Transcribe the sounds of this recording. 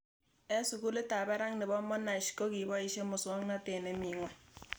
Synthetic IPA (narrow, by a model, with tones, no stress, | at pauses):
ɛ˦sʊ˨ku˦lɪ˦ta˨bɛ˦ɾa˦ŋnɪ˨bɔ˦mɔ˦na˨ʃko˦ki˨bɔ˦i˦ʃe˦mʊ˨swɔ˦ŋna˦te˨nɛ˨mi˨ŋwɛ˦